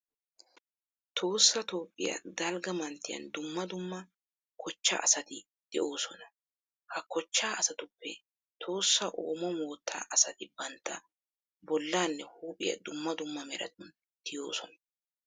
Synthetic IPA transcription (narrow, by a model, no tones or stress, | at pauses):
t̪ʰo̞ːsːɐt̪o̞ːpʼːɪjɐ̰d̪ɐlɡɐmɐnt̪ːɪjɐ̰nd̪ʊmːɐd̪ʊmːɐ | kʰɔt͡ʃːa̰ʔɐsɐt̪ɪ | d̪̥ɛʔo̞ːsɔnɐ | hɐkɔt͡ʃːaːɐsɐt̪ʊpːɛ | t̪ʰo̞ːsːɐʔo̰ːmɔmoːt̪ʰːa̰ːʔɐsɐt̪ɪbɐnt̪ʰːɐ | bɔlːaːnːɛhuːpʼɪjɐ̰d̪ʊmːɐd̪ʊmːɐmɛɾɐ̰t̪ʊn | t̪ɪjo̞̰ːsɔnɐ